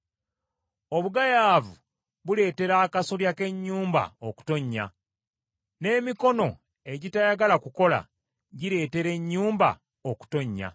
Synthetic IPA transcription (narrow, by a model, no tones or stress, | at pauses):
o̞βuɡajaːvu | βule̞ːte̞ɾaːkasoljake̞ɲːuːmba̰oku̥to̞ɲːa̰ | ne̞ːmiko̞no̞ | e̞ɟitajaɡalakuko̞la̰ | ɟiɾe̞ːte̞ɾe̞ɲːuːmba̰ | oku̥to̞ɲːa̰